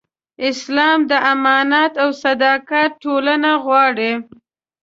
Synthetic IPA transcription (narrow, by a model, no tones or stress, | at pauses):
ɪslɑmd̪əʔamɑnat̪awsad̪ɑkat̪̚ʈːolanaɣwɑɽi